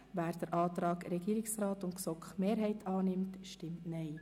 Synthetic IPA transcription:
væːɾd̥əɾʔɑːtɾɑːkɾɛɡ̥iːɾɪksrɑːtʊntksɔkχmeːɾɦɛɪtʰɑːnɪmtʃtɪmtnɛɪ

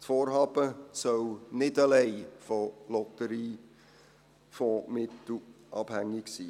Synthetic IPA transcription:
tfoːɾɦɑːb̥əsœwnɪdəlɛɪfɔlɔtəɾiː | fɔmɪt̪l̩ʔɑb̥hæŋːɪksiː

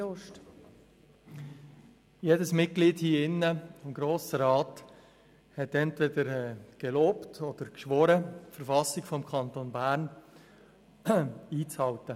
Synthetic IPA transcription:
oʃt | jedəsmɪt̚ɡ̥liːdhiːɪnːəɔmɡɾoːsəɾɑːt | hɛtɛntvɛdəɾɛɡ̥eloːptʰɔd̥̪əɾkʃʋɔɾəfəɾfɑsɪɡfɔmkʰɑntoːnbæːɾn | iːt͡shɑltə

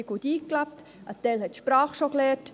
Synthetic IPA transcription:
ɡ̥ud̪iːklæp̚t̪ | ʔət̪ɛlhɛt̪ʃpɾɑːχʃoklɛːɾt

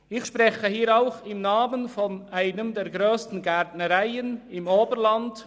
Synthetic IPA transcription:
ɪçʃpʁɛxəhiːɾaʊxɪmnaːmənfɔnʔaɪnəmdɛːɾɡɾøːstn̩ɡɛɾtnəɾaɪənɪmoːbəɾlɑnd

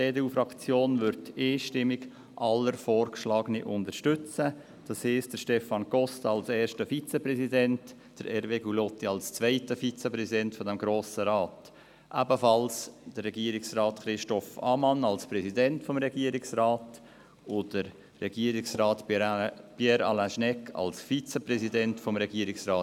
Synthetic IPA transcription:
beːdeuːfɾɑkt͡sjoːnvʏɾteːʃtɪmɪɡ | ʔɑləɾfɔːɾkʃlɑːɡəniʔʊndəɾʃtʏt͡sə | d̥ɑshɛstd̥əɾʃtɛfɑnɡ̥ɔstɑlsɛːʃtəfit͡sɛpɾɛzidɛnt | d̥əɾɛɾveːɡulɔtiɑlst͡sʋaɪtəfit͡sɛpɾɛsidɛntfɔdɛmɡɾoːsəɾɑːt | ʔæbəfɑlsd̥ərːɛɡiəɾɪksrɑːtχɾɪʃtɔfɑ̰mɑnɑlspɾɛsidɛntfɔmɾɛɡ̥iːɾɪksraːt | ʊd̥əɾː | ɛɡ̥iəɾɪksraːt | pjɛɾɑ̰ːlæ̃ʃnɛkʰːɑ̰lsfit͡sɛpɾɛsidɛntfɔmɾɛɡiəɾɪksraː

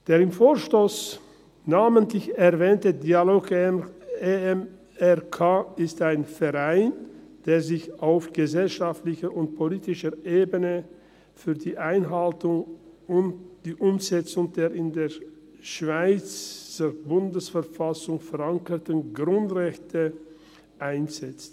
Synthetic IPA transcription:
d̥eːʁɪmfoːʃtoːs | naːməntlɪçɛʁvɛːntədiːaloːk | eɛm | ɛʁkʰaːɪstaɪnfɛʁaɪnd̥eːɐzɪçaʊfɡ̥əzɛlʃaftlɪçəʊnt̚pʰoliːtɪʃəʔeːbənə | fyːɐdiːʔaɪnɦaltʊŋʊntd̥iːʔʊmz̥ɛt͡sʊŋd̥eːɐɪndeː | ʃv̥aɪt͡səbʊndəsfɛɐfasʊŋfɛʁaŋkətənɡʁʊntʁɛçtʰə | ʔaɪnz̥ɛt͡st

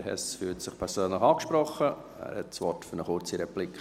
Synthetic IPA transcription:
hɛ̰sfyːltsɪχpʰɛɾsøːnləχɑːkʃpɾɔχə | æ̰ːɾhɛtsʋɔtfʏɾnəχʊɾt͡siɾɛplikʰ

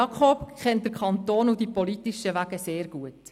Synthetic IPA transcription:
ɑkʰob̥kχɛnt̚d̥̪əɾkʰɑnt̪oːnud̥ipɔlitiʃəʋæɡəseːɾɡuət

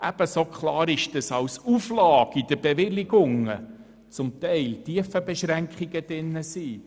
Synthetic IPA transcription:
ʔæb̥əsokχlɑːɾɪʃd̥əsɑwsuflɑːɡ̥id̥əb̥eʋɪliɡʊŋə̰ | t͡sʊmt̪ɛɪltiəfəbeʃɾæŋkχiɡəd̥ɪnːəsiː

